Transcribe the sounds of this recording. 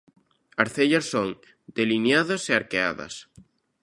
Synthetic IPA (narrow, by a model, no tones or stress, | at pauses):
aɾθeʎɐsːoŋ | d̪̥elinjaðɐseaɾkea̰ðɐ̰s